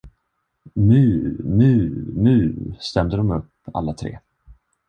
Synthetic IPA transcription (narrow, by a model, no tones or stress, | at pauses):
nʉ̟ːnʉ̟ːnʉ̟ːst̪ɛmd̪əd̪ɔmɵpː | a̰lːat̪ʰɾḛː